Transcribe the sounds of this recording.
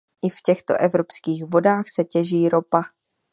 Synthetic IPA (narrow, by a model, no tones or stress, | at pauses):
ʔɪfcɛxt̪o̞̰ʔɛvɾo̞pskiːxvo̞daːxsɛcɛʒiːɾo̞pa